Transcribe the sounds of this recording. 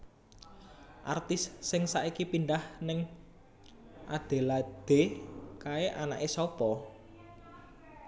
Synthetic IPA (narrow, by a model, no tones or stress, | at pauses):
ʔa̰rt̪ɪsːɪŋsaʔikipinɖahnɪŋ | ʔad̪̥e̤lad̪̥e̤kaeʔanaʔesɔpɔ